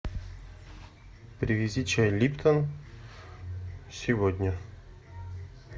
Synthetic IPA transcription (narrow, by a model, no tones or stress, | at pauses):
pɾʲɪvʲɪzʲit͡ɕɛlʲipt̪ʰən | sʲɪvod̪ʲnʲə